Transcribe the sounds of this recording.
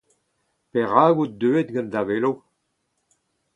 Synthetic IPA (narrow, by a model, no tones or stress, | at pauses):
peʁaːɡut̚d̪øːet̪̚ɡãnd̪avelo